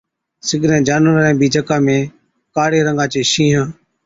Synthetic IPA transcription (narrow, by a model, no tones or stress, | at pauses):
sɪɡʱɾɛ̃ːd͡ʒaːnəɾɛ̃ːbiːd͡ʒəkaːmẽː | kaːɽeːɾəŋɡaːt͡ʃeːʃĩːɦãː